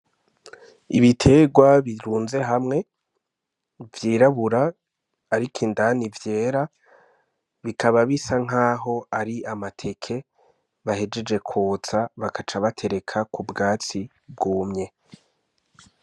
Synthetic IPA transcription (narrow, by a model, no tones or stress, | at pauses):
iβitʰe̞ɡwaβiɾuːnze̞ɦamŋe̞ | vjiːɾaβuɾaː | ɾikʰindanivje̞ːɾa | βikʰaβaβisaŋ̥aːɦo̞aɾiamatʰe̞kʰe̞ | βahe̞d͡ʒe̞d͡ʒe̞kʰuːt͡saβakat͡ʃaβatʰe̞ɾe̞kʰakubɡaːt͡si | b̚ɡuːmɲe̞